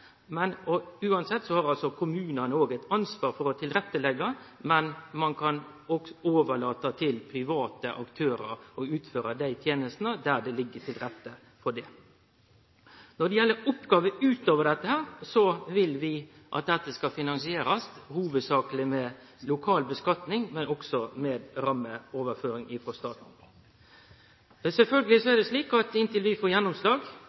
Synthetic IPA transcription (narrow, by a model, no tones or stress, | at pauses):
mɛnɔʉːɑnsɛt̪ːsɔhɑɾɑlsɔkʰʊmʉːnənəoːɡɛɪt̪ɑnsʋɑːɾfɔɾɔt̪ʰɪlɾɛt̪ːəlɛɡːɑ | mɛnmɑnkʰɑn | ɔɡsɔoːʋəɭɑːt̪ɑt̪ʰɪlpʰɾɪʋɑːt̪əʔɑkt̪ʰøːɾə̰ɾɔʉːt̪føːɾɑd̪æɪt̪ʰjeːnəst̪nəd̪æɖɛlɪɡːəʈʰɪlɾɛt̪ːə | fɔɖɛ | nɔd̪ɛjɛlːəɾʊpːɡɑːʋəʉːt̪oːʋəɖɛt̪ːəhæːɾsɔʋɪlʋɪ | ʔɑ̰t̪̚d̪ɛt̪ːəskɑfɪnɑnsɪeːɾɑshuːʋəd̪sɑːklɪmɛ | lʊkʰɑːlbəskɑt̪nɪŋmɛnɔksɔmɛeːd̪ɾɑmːəoːʋəɾføːɾɪŋɪfɾɔst̪ɑːt̪n̩ | sɛlfœlɡəlɪsɔɛɾd̪ɛsliːkɑt̪ɪnt̪ɪlʋɪfoːɾjɛnːʊmslɑːɡ